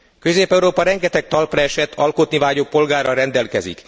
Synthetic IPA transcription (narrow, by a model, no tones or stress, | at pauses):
kø̞zeːpɛuɾoːpɒɾɛŋɡɛt̪ɛk̚t̪ɒlprɛɛʃɛt̪ʰɒlkot̪nivaːɟok̚po̞lɡaːrɾɒɾɛnd̪ɛlkɛzḭk